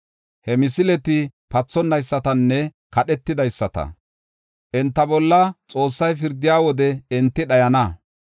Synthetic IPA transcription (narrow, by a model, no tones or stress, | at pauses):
hɛmɪsɪlɛt̪ɪpɐt͡sːɔnːɐjsːɐt̪ɐnːɛkɐɗɛt̪ːɪd̪ɐjsːɐt̪ɐ̰ | ʔɛnt̪ːɐbɔlːɐt͡sʼo̞ːsːɐjfɪɾd̪ːɪjaːwɔd̪ɛɪnt̪ːɪɗɐjɐnɐ